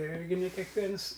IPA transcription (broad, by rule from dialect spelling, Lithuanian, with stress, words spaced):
ˈɪrʲɡʲɪ nʲɛ kʲɛkˈʋʲiɛns